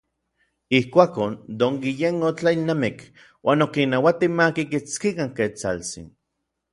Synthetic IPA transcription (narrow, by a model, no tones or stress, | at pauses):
ihkʷaːkond̪oŋɡijenot͡ɬailnamik | wʔaːnokinawat̪imakikit͡skikaŋket͡sa̰lt͡sḭn